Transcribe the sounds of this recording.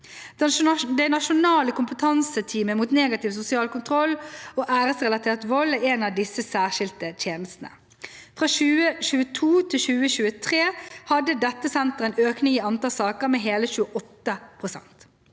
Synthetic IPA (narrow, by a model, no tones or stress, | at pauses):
d̪æɪnɑʃʊnɑːləkʊmpət̪ʰɑnsət̪ʰiːməmuːt̪neːɡɑt̪ɪʋsʊsɪɑːlkʊnt̪ʰʁɔloːʔæːʁəsʁɛlɑt̪ʰeːʁt̪ʋɔlæenɑʋd̪ɪsːəsæːʁʃɪlt̪ət̪ʰjeːnəst̪n̩ə̰ | fʁɑːʃʉːəɕʉːət̪ʰuːt̪ʰɪlɕʉːəɕʉːət̪ʰʁeːhɑd̪əd̪ɛt̪ːəsɛnt̪əʁɛnøːknɪŋiːɑnt̪ɑːlsɑːkəʁmɛɦeːləçʉːəʔɔt̪ːəpʰʁʊsɛ̰nt̪